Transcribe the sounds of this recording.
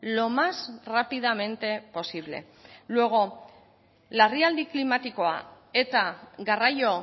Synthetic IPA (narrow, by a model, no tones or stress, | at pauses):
lo̞masrapiðame̞nt̪e̞po̞siβ̞le̞̰ | lueɣo̞ | lariald̪iklimat̪iko̞a̰ | et̪aɡarajo̞